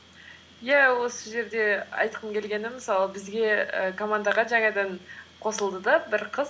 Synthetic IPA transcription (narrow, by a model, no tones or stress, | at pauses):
jæwo̞səʒe̞ɾd̪e̞ɑ̰jt̪qʰəmkʲʰe̞lɡʲe̞nɪməsɑlˠəbɪzɡʲe̞ə̰kʰo̞mand̪ɑʁɑʒɑŋɑd̪ɑɴqʰo̞səlˠd̪əd̪ɑbɪɾqʰəz